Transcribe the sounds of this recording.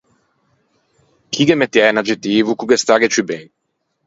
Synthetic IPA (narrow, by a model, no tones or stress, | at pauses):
kʰikemet̪ːjɛnad͡ʒet̪iːvukukest̪aɡet͡ʃiben